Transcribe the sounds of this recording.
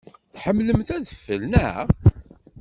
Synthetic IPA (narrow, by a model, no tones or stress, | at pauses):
θħəmːləmθæðəfːəlnəʁ